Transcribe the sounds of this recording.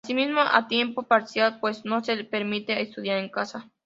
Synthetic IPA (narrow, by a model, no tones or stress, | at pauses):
asimizmoʔa̰t̪je̞mpopaɾsjalpwe̞sno̞sepeɾmit̪eest̪uðjaɾeŋkasa